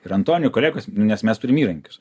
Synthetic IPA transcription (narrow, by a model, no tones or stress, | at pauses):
ɪɾɐnt̪oːnʲʊkoːlʲeːɡoːsʲnʊnʲɛsmʲɛst̪ʊɾʲɪmiːɾɐŋʲkʲʊ̥s